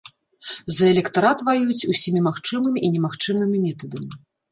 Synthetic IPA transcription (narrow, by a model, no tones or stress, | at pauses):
zɐɛlʲɛkt̪aɾat̪vajut͡sʲusʲimʲimaxt͡ʂɨmɨmʲiʔinʲɛmaxt͡ʂɨmɨmʲimʲɛt̪ɐd̪ɐmʲi